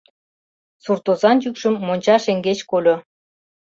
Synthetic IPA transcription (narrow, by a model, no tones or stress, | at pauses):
surt̪ozɑnd͡ʑykʃə̆mːonʲt͡ɕɑʃeŋɡet͡ɕkolʲo